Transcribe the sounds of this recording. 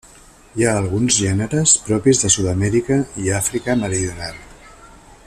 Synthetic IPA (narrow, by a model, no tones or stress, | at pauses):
jaːlˠɣunzʒɛnəɾəspɾɔpizðəsuðəmɛɾikəiafɾikəməɾiðiunalˠ